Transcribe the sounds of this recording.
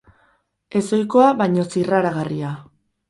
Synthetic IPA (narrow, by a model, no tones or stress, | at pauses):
e̞so̞jko̞aβajɲo̞siraɾaɣaria